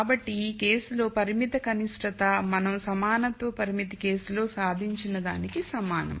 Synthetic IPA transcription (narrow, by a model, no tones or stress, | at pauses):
bɐʈːike̞ːsulo̞ːpɐɾimit̪ɐkɐniʂʈɐt̪ɐmɐnɐmsɐmaːnɐt̪ʋɐpɐɾimit̪ike̞ːsulo̞ːsaːd̪ʱiɲt͡ʃinɐd̪a̰ːnikisɐmaːnɐ̰m